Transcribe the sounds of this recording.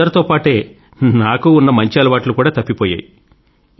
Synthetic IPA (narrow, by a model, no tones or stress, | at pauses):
ɐɾɐt̪oːpaːʈe̞ː | naːkuːnːɐmɐɲt͡ʃiɐlɐʋaːʈlukuːɽaːt̪ɐpːipɔːja̰ːji